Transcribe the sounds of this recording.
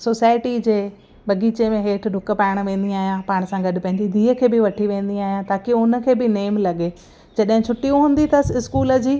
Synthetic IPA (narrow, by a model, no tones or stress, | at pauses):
soːsaːɪʈid͡ʑeː | ɓɐɡiːt͡ɕemẽɦeːʈʰɖʱʊkə̆paːɪɽ̃ʋẽːn̆d̪iaːɦijãpaːɽ̃əsãɡɐɗɪ̆pɐ̃ɦɪɲd͡ʑid̪ʱiːɦəkʰeːbɪʋɐʈʰiʋẽːn̆d̪iaːɦijãt̪aːkiʊnə̆kʰeːbɪneːmlɐɠe | d͡ʑɐɗɦɪ̃t͡ɕʰʊʈːijũɦũːn̆d̪it̪ʰɐsɪskuːləd͡ʑiː